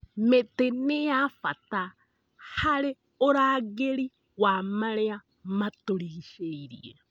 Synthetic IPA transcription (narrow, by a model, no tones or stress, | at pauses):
metenɪjafata | haɾɪ | oɾaːɡeɾi | wamaɾea | matoɾiʃeiɾḭe